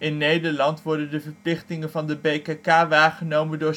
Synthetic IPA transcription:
ɪnːejdəɹlɑntʋɔɹdəndəvəɹplɪχtɪŋənvɑndəbejkakaːʋaːɹχənowməndʊː

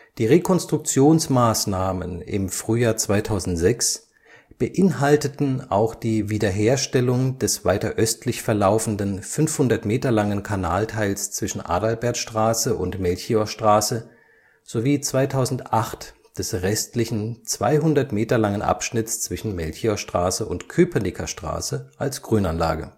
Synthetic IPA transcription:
d̥iːʁekʰɔnstʁ̥ʊk̚t͡sjoːnsmaːsnaːmənɪ̰mfʁ̥yːjaːɐt͡sv̥aɪtʰaʊzn̩tz̥ɛks | b̥əʔɪnɦaltətn̩a̰ʊxd̥iːviːdɐɦeːɐʃtɛlʊŋd̥ɛsv̥aɪtɐʔœstlɪçfɛɐlaʊfn̩dənfʏnfhʊndɐtmeːtɐlaŋənkʰanaːltʰaɪlst͡sv̥ɪʃn̩ʔa̰ːdalbɛɐtʃtʁ̥aːsəʔʊntmɛlçioʃtʁ̥aːsə | z̥oviːt͡sv̥aɪtʰaʊzn̩tʔaχt | d̥ɛsʁɛstlɪçn̩t͡sv̥a̰ɪɦʊndɐtmeːtɐlaŋənʔa̰pʃnɪt͡st͡sv̥ɪʃn̩mɛlçioʃtʁ̥aːsəʔʊntkʰøːpʰɐnikʰɐʃtʁ̥a̰ːsəʔalsɡ̥ʁyːnanla̰ːɡə̰

